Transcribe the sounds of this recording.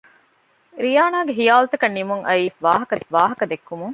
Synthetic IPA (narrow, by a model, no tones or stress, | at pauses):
ɾijaːnaːɡeɦijaːlɐt̪ɐkɐnːimuŋʔɐiːʋaːɦɐkɐʋaːɦɐkɐd̪ekːumuŋ